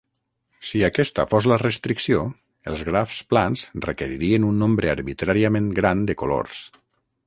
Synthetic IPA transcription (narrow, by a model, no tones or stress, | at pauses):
siakɛst̪ə̰fozlərəst̪ɾiksio | elˠzɣɾafsplanzrəkeɾiɾiənunːõmbɾəaɾβit̪ɾaɾiamẽnɡɾand̪əkolo̰ɾs